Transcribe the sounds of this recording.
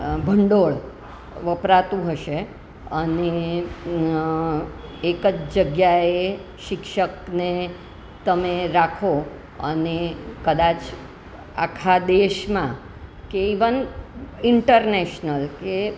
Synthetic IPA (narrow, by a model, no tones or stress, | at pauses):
bʱəɳɖoɭ | ʋəpɾat̪ũɦəʃe | əne | ekəd͡ʒd͡ʒəɡjae | ʃɪkʃəkne | t̪əmeɾakʰo | ənekəd̪at͡ʃ | akʰad̪eʃmã | keiʋənɪɳʈəɾneʃnəlke